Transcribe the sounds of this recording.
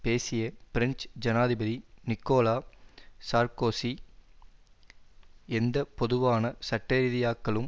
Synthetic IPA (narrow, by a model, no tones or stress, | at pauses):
peːsɪjɐpɪɾɪnsd͡ʒɐnaːðɪbɐðinɪkːoːlaːsaːɾkoːsi | ɛnd̪ɐpɔðɯʋaːnɐsɐʈːɐɾɪðɪjaːkːɐɭɯm